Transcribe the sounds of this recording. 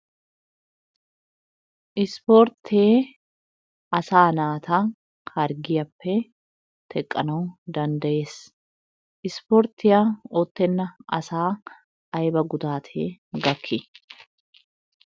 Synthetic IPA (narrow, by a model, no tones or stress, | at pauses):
ʔɪspoːɾt̪ʰeː | ɐsaːnaːt̪ʰaː | kʰɐɾɡɪjɐpːe | t̪ʰɛkʼːɐ̰noːd̪ɐnd̪ɐʔeːs | ʔɪspoɾt̪ɪjaot̪ːɛnːɐɐsaː | ʔɐjbɐɡʊd̪aːt̪ʰeːɡɐkʰːɪ